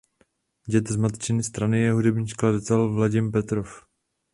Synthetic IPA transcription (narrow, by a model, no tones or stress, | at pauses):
ɟɛt̪zmat̪t͡ʃɪnɪst̪ɾanɪjɛɦudɛbɲiʃkladt̪ɛlvlaɟɪmpɛt̪ɾof